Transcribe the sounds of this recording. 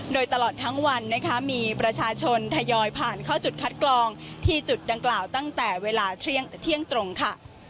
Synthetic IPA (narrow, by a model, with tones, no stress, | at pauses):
doː˧jt̪a˧lɔː˨˩t̪ʰːa˦˥ŋwa˧nːa˦˥kʰa˦˥miː˧pɾa˧t͡ɕʰaː˧t͡ɕʰo˧nt̪ʰa˧jɔː˧jpʰaː˨˩nkʰaː˥˩wt͡ɕu˨˩t̪̚kʰa˦˥t̪̚klɔː˧ŋt̪ʰiː˥˩t͡ɕu˨˩t̪̚da˧ŋklaː˨˩wt̪a˥˩ŋt̪ɛː˨˩weː˧laː˧t̪ʰɾi˥˩əŋt̪ʰi˥˩əŋt̪ɾo˧ŋkʰa˥˩